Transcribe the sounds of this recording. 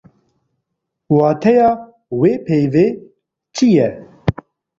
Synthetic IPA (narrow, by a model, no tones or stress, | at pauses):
wɑːt̪ʰɛjɑː | weːpʰeːveː | t͡ʃʰijɛ